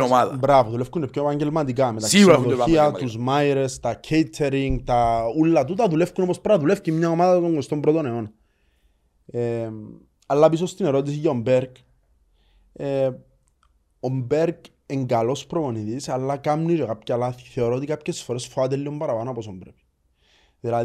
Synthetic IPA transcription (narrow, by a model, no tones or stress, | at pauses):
oaðbɾavoðulefkunepcoepɐɲɟelmɐt̪ik̬ɐmet̪ɐksioðoiɐt̪uzmaiɾest̪ɐcʰejt̪ʰeɾiŋɡt̪ɐulːɐt̪ut̪ɐðulefkunopospɾɐðulefcimɲaomaðɐt̪oŋɡo̞st̪o̞mbɾo̞t̪oneonɐ | e | ɐlːɐpisost̪ine̞ɾo̞t̪̬is̬iʝaombe̞ɾɡ | e | o̞mbeɾɡ | eŋɡalo̞spɾopo̞niðisɐlːɐkamniɾokapcɐlaθi̥θe̞oɾot̪ikapçe̞sfo̞ɾe̞sfoat̪elːiombɐɾɐpanoɐposombɾepi̥ | ðilɐ